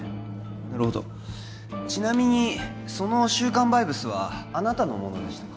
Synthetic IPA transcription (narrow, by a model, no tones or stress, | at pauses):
naɾɯ̟ho̞d̪o̞̰ | t͡ɕinamʲiɲ̟i | so̞no̞ɕɨːkãmbaibɯ̟sɨβa̰ːnat̪ano̞̰mo̞̰no̞̰d̪e̞ɕi̥t̪ḁk